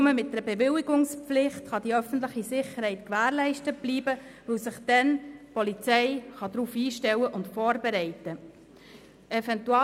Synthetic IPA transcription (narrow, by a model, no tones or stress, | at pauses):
məmɪt̚dɾbɛʋɪliɡʊŋspflɪχtχɑd̥̪iœfən̩t̬ləχisɪχəɾhɛɪtkʋæːɾlɛɪʃtət̚b̥liːbəʋɵwsɪχd̥̪ɛnpɔlit͡sɛɪχɑd̪ɾuːfiːʃtɛwəʔʊntfɔːɾbɛɾɛɪtə | ɛfɛntuɑ